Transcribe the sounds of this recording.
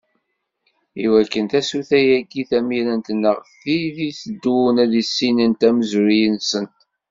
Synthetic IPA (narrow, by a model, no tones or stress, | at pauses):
iwækːənθæsuθæjæɡiθæmiɾənt̪nːəʁθiðiθəd̪ːunæðisːinənt̪æməzʊɾijənsənt̪